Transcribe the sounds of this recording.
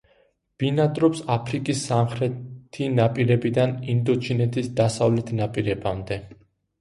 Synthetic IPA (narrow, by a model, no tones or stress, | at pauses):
b̥inat̪ʼɾɔpsapʰɾikʼisːamχɾɛt̪ʰinapʼiɾɛbid̪anind̪ɔt͡ʃʰinɛt̪ʰisd̪asavlɛt̪ʰnapʼiɾɛbamd̪ɛ